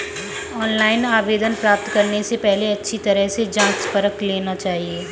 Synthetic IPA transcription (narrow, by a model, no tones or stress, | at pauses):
ɔːnlaːɪnaːʋeːd̪ənpɾaːp̚t̪kɐɾnesepɛɦleɐtːʃʰit̪ɐɾəɦsed͡ʒãːt͡ʃpɐɾəkleːnat͡ʃaːɦieː